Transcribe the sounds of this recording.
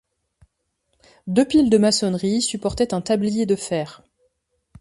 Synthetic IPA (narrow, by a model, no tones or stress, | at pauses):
d̪øpild̪əmasɔnʁisypɔʁt̪ɛt̪ɛ̃t̪ablijed̪əfɛːʁ